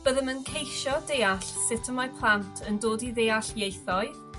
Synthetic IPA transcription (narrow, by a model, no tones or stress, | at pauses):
b̥əðəmənkʰejʃɔdeːaɬsɪtʰəmapʰlˠantʰəndoːdiðeːaɬjejθɔɨ